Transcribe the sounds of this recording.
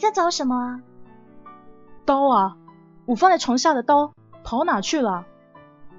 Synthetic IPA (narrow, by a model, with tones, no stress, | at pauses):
i˨˩t͡sa˥˩t͡sɑ˧˥ʊʂə˧˥nmə˧ | t̪o˥ʊɐ˨ | u˨˩fɑ˥ŋd̪ə˨˩ʈ͡ʂʰʊ˧˥ŋɕja˥˩d̪ə˩t̪o˥ʊ | p̪ʰɑ˧˥ʊna˨˩t͡ɕʰy˥˩lə˩